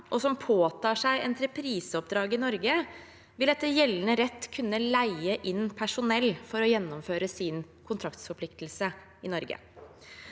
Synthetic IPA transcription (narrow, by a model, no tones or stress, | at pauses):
ʔɔsɔmpʰoːt̪ʰɑːʂæɪʔɛnt̪ʰɾɛpʰɾiːsəɔp̚d̪ɾɑːɡəɪnɔɾɡə | ʋɪlɛt̪ːəjɛlːənəɾɛt̪ːkʰʉnːəlæɪəʔɪnpʰæʂʊnɛlːfɔɾɔjɛnːɔmføːɾəsɪn | kʰʊnt̪ʰɾɑkt̪sfɔɾpʰlɪkt̪lsə | ɪnɔɾɡə̰